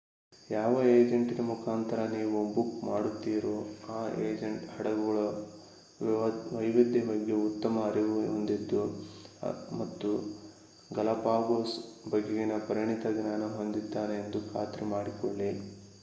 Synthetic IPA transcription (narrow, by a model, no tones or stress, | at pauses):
jaːʋɐe̞ːd͡ʒeɳʈinɐmukʰaːnt̪ɐɾɐniːʋubukmaːɽut̪ːiːɾoːaːeːd͡ʒeɳʈhɐɽɐɡɐɭɐ | ʋɐjʋid̪ːibɐɡːeut̪ːɐmɐɐɾiʋɦond̪id̪ːu | mɐt̪ːu | ɡɐlɐpaːɡoːsbɐɡeɡinɐpɐɾiɳit̪ɐɡnaːnɐɦo̞nd̪id̪ːaːneːnd̪ukʰa̰ːt̪ɾɛmaːɽikoɭːi